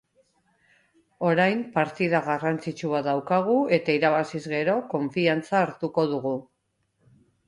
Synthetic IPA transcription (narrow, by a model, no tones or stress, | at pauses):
o̞ɾajmpaɾt̪iðaɣarant͡sit͡ʃuaðawkaɣ̞ue̞t̪aiɾaβasizɣe̞ɾo̞ko̞ɱfiant͡saːɾt̪uko̞ð̞uɣu